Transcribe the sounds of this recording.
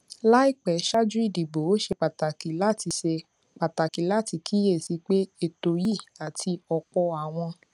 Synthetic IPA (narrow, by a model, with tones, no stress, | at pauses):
la˦i˦˨k͡pɛ˨˦ʃa˦d͡ʒu˦i˦˨di˨bo˨˦o˦ʃe˧k͡pa˨ta˨ki˨˦la˦˨ti˧se˧ | k͡pa˨ta˨ki˨˦la˦˨ti˧kʰi˦je˦˨si˧˦k͡pe˦e˨to˨ji˦˨a˨ti˧ɔ˧k͡pɔ˧a˨w̃ɔ̃˧